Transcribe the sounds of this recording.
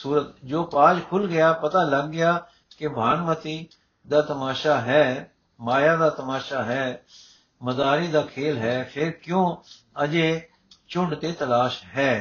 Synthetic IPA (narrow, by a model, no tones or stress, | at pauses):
suːɾət̪d͡ʒoːpaːd͡ʒkʰʊlɡɪjaːpət̪aːləɡːɪjaː | kebʱaːnmət̪iː | d̪aːt̪əmaːʃaːɦɛː | maːjaːd̪aːt̪əmaːʃaːɦɛː | məd̪aːɾiːd̪aːkʰeːlɦɛːpʰɪɾkjõː | əd͡ʒeː | t͡ʃʊɳɖt̪eːt̪əlaːʃɦɛː